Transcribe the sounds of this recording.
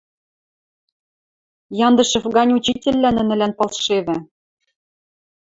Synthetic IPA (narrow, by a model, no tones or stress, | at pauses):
jɑnd̪ɤ̆ʃɤ̆fɣɑnʲut͡ɕitʲĕlʲːænɘ̆nɘ̆lænpɤ̆lˠʃeβɘ̆